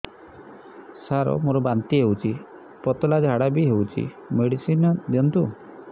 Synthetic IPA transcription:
saɾɔ̰moɾɔbant̪iɦewt͡ʃʰi | pɔt̪ɔlad͡ʒɦaɽabiɦewt͡ʃʰḭ | meɽisinɔd̪jɔnt̪u

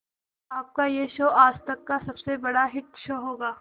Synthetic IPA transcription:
aːp̚kajeʃoːaːst̪ɐkːasɐbsebɐɽaɦɪʈʃoːɦoːɡaː

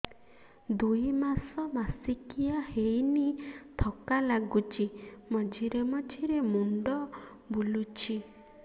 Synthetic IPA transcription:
d̪ujmasɔmasikijahejnit̪ʰɔkalaɡut͡ʃʰimɔd͡ʒiɾemɔt͡ʃʰiɾemunɖɔ | bulut͡ʃʰi

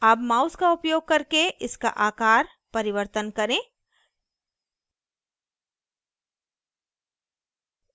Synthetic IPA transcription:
aːpmaːʊskaʊpjoːɡ̚kɐɾkeʔɪska̰ʔaːkaːɾ | pɐɾɪʋəɾt̪ənkɐɾẽː

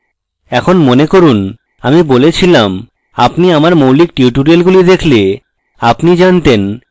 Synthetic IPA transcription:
ɛkʰonmonekoɾun | amibolet͡ɕʰilam | apniamaɾmowlik̚ʈiuʈuɾialɡulid̪ekʰle | apnid͡ʑant̪en

